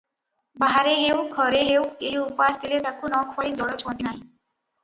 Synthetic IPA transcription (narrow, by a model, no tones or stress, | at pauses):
baɦaɾeɦewkʰɔɾeɦewkeɦiupast̪ʰilet̪akunɔkʰfʰɔĩd͡ʒɔɽɔt͡ʃʰɔ̃nt̪ʰinaɦĩ